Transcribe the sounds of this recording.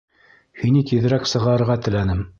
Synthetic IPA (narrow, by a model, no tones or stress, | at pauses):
hinit̪iðɘ̆ɾæksɤ̆ʁɑɤ̆ɾʁɑt̪ɘ̆lænɘm